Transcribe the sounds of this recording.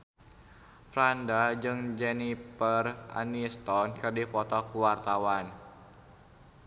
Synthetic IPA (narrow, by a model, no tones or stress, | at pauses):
fɾandad͡ʒɨŋd͡ʒɛnipəra̰nist̪ɔnkɨrdipɔt̪ɔkuwart̪awan